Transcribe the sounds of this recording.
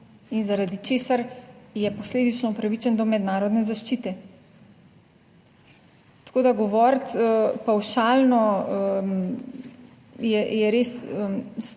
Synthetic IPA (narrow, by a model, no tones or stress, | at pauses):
inzaɾad̪it͡ʃeːsaɾjɛpɔsleːd̪it͡ʃnɔupɾaʋit͡ʃɛnd̪ɔmɛd̪naːɾɔd̪nɛzaʃt͡ʃit̪ɛ | t̪ḁkoːd̪aɡɔʋɔɾt̪əpawʃaːlnɔ | jɛjɛɾesəs